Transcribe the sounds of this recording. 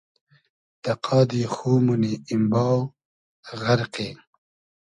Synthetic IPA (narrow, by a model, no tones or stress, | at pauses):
d̪̥ɐqʰɑːd̪ixuːmuniːmbɑːw | ɣaɾqe